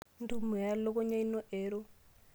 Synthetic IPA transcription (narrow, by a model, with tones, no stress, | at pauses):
n̩˦du˦˨mu˨ja˦lo˦kɔ˦ɲa˦i˦nɔ˦ʔeː˨˦ɾo˦